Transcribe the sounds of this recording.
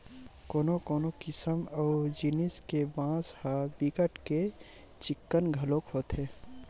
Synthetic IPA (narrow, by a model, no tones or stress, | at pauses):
koːnokoːnokɪsəmɔːd͡ʒiniskebãːshabikəʈke | t͡ʃɪkːənɡʱəloːkɦoːt̪ɦɛː